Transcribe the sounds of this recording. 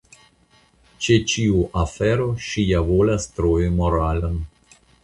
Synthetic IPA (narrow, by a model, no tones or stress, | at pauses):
t͡ʃet͡ʃiuʔafeɾoʃijavolast̪ɾojimo̞ɾalən